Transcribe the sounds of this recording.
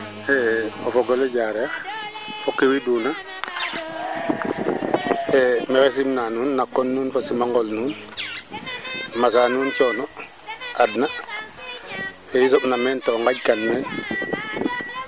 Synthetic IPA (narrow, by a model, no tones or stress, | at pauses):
ɛɔfɔɡɔlɛɟaɾɛa | fɔkːewiduːna | ɛmɛxɛsimnanuːnːakːɔnːuːnfɔsimaŋɡɔlnuːn | masanuːnt͡ʃɔːnɔ | adna | ejis̬ɔɓnamɛːntɔŋɡaɟ̚kanmɛːn